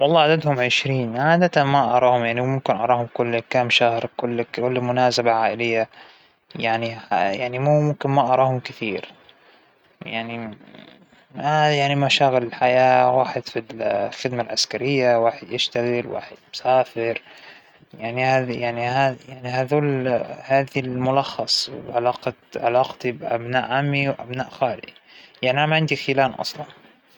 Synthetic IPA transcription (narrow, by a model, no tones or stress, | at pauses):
wɑlˤːɑːʔad̪ad̪hʊmʕɪʃɾiːnʕaːd̪at̪anmaʔɑɾˤɑːhʊmjaʕnimʊmkɪnʔɑ̰ɾˤɑːhʊmkʊlːkaːmʃahɾkʊlːʊlːmʊnaːsabaʕaːʔɪlɪjːa | jaʕniajaʕnimuːmʊmkɪnmaʔɑɾˤɑːhʊmkɪθiːɾ | jaʕni | ajaʕnimaʃaːɣɪlɪlħajaːwaːħɪd̪fillxɪd̪malʕaskaɾɪjːawaːħɪd̪jɪʃt̪aɣɪlwa̰ːħɪd̪mʊsaːfɪɾ | jaʕnihaːðjaʕnihaːjaʕniɦaðuːlhaːðilmʊlɑxːɑsˤw̰ʕalɑːqɑʕalɑːqt̪ibʔa̰bnaːʔʕamːiwʔa̰bnaːʔxaːlɪʔjaʕniʔanamaʕɪnd̪ixilaːnʔɑ̰sˤlɑn